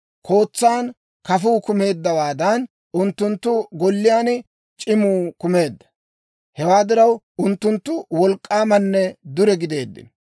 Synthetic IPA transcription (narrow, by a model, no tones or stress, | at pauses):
kʰo̞ːt͡sːaːn | kɐfuːkʊme̞ːd̪ːɐwaːd̪ɐn | ʊnt̪ːʊnt̪ːʊɡɔlːɪjaːnɪ | t͡ʃʼɪmuːkʊme̞ːd̪ːɐ̥ | hɛwaːd̪ɪɾɐw | ʊnt̪ːʊnt̪ːʊwɔlkʼːaːmɐnːɛd̪ʊɾɛɡɪd̪e̞ːd̪ːɪ̰n